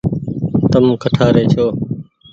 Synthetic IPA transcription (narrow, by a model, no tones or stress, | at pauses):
t̪əmkʰəʈʰaːɾeːt͡ʃʰoː